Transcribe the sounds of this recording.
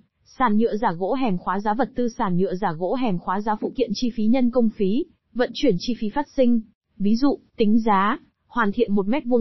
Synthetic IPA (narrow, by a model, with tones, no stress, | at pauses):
saː˧˩nɲɨ̰˧˨əzaː˧˩ɣo̰˧˥ɦɛ˨˩mxwaː˨˦zaː˨˦və˨˩t̚t̪ɨ˧saː˧˩nɲɨ̰˧˨əzaː˧˩ɣo̰˧˥ɦɛ˨˩mxwaː˨˦zaː˨˦fṵ˧˨k̪ḭ˧˨ənt͡ɕi˧fi˨˦ɲə˧nkə˧wŋ͡mfi˨˦ | və̰˧˥nt͡ɕwi˧˩ənt͡ɕi˧fi˨˦faː˦˥t̚sï˧ŋ̟ | vi˨˦zṵ˧˨t̪ï˨˦ŋ̟zaː˨˦ | hwaː˨˩nt̪ʰḭ˧˨ənmo˨˩t̚mɛ˦˥t̚vu˧